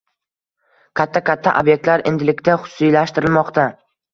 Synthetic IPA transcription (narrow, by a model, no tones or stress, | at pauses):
kʲʰat̪ʰːakʰʲat̪ʰːaʔobjek̚t̪laɾe̞̰nd̪ɪlɪkʲt̪aχʊ̥ssijlaʃt̪ɪɾɪlmɒqt̪ʰa